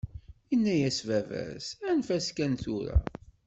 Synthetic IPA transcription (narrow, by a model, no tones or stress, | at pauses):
inːæjæsvævæ̰ɾsænfæskænθuɾæ̰